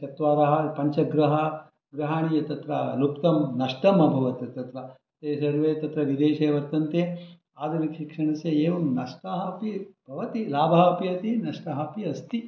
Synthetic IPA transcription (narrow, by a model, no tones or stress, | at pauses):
t̪ɐt̪ʋaːɾɐɦɐpɐɲt͡ʃɐɡɾɐɦɐ | ɡɾɐɦaːɳijɐt̪ɐt̪ɾɐlupt̪ɐmnɐʂʈɐmɐbʱɐʋɐt̪ɐt̪ɐt̪ɾɐ | t̪eːsɐɾʋet̪ɐt̪ɾɐʋid̪eːʃeːʋɐɾt̪ɐnt̪eː | aːd̪ʱɐnikʃikʂɐɳɐseeːʋɐmnɐʂʈaɦɐpib̥ʱɐʋɐt̪ilaːbʱaːɦɐpiɐt̪inɐʂʈɐɦɐpiɐst̪i